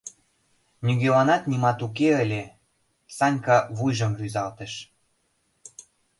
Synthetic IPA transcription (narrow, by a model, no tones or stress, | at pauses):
nʲyɡewɑnɑt̪nʲimɑt̪uk̬eəlʲe | sɑnʲkɑβujʒɤ̆mryzɑlt̪ə̆ʃ